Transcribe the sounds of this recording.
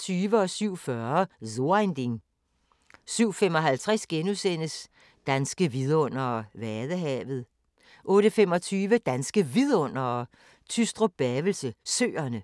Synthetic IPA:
t͡sʰyːʋəɒ̽syʊ̰fɶɐzond̥eŋ | syʊ̰femɒ̽ɦælt͡sʰʁasɡ̥enusen̰əs | d̥ænsɡ̥əʋiðˠɔ̽n̰ɐʋæðˠəɦɛ̰ːʋð̞̩ˠ | ʔɔ̽ːɾəfem̰ɒ̽t͡sʰyːʋəd̥ænsɡ̥əʋiðˠɔ̽n̰ɐ | t͡sʰysd̥ʁob̥ɛʋl̩səsø̰ːɐnə

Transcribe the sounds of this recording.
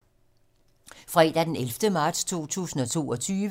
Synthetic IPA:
fʁɛ̰d̥æd̥enelfd̥əmɑ̈ːd̥st͡sʰo̝̰ːt͡sʰṵːsn̩ɒ̽t͡sʰo̝̰ːɒ̽t͡sʰyːʋ

